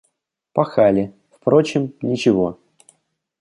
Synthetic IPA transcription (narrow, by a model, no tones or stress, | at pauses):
pɐxalʲɪ | fpɾo̞t͡ɕɪmnʲɪt͡ɕɪvo̞